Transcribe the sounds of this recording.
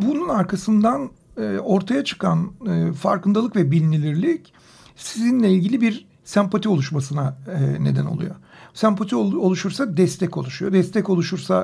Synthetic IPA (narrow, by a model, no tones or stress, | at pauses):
bununaɾkʰasɯnd̪an | o̞ɾt̪ʰajat͡ʃʰɯ̥kʰanɯfaɾkɯnd̪alˠɯkvɛbilʲnilʲiɾlʲic | sizinlʲɛilʲɟilʲibiɾ | sæmpat̪ʰio̞lˠuʃmasɯnaɯne̞d̪æ̰nolˠṵjo̰sæmpʰat̪ʰioolˠuʃuɾsad̪ɛst̪ʰɛco̞̰lˠuʃujo̞d̪ɛst̪ɛco̞lˠuʃuɾsa